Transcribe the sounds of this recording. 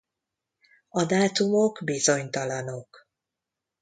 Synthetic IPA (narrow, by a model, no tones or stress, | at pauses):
ɒd̪aːt̪umokbizo̞ɲt̪ɒlɒno̞k